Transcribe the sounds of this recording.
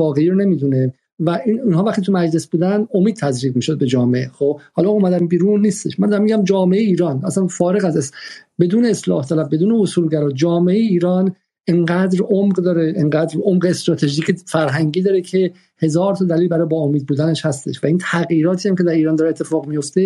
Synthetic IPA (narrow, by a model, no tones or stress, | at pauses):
ɒːɣeiɾone̞miːd̪une | væiniːnɦɒːvæχt̪ʰit̪umæd͡ʒle̞sbuːd̪æno̞miːd̪̚t̪ʰæzɾiːɡmiːʃo̞d̪̚be̞d͡ʒɒːmeexob̥hɒːlɒomæd̪æmbiːɾunːiːst̪eʃmænd̪ɒɾæmiɟæmd͡ʒɒːmeejeiːɾɒːnæsænfɒːɾe̞ɣæzesbe̞d̪uːneːslɒ̰ːht̪ʰælæfbe̞d̪uːneosuːlɟæɾɒːd͡ʒɒːmeejeiːɾɒːn | eŋɢæːd̪ɾomɢd̪ɒːɾeʔeŋɢæːd̪ɾomɢeest̪ɾɒːt̪ʰe̞ʒiːcʰefæɾɦæŋɟiːd̪ɒːɾecʰe̞ | he̞zɒːɾt̪ʰɒːd̪æliːlbæɾɒːjbɒomiːd̪̚buːd̪æne̞ʃhæst̪e̞̰ʃvæint̪ʰæɣjiːɾɒːt̪ʰiːæmce̞d̪æɾiːɾɒːnd̪ɒːɾet̪ʰːefɒːɣmijo̞ft̪e̞